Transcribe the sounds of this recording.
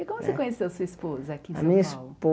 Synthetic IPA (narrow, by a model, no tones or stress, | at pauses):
ɛkõmʊssekõɲesewɐsuɐispozɐakiɐmĩɲɐispo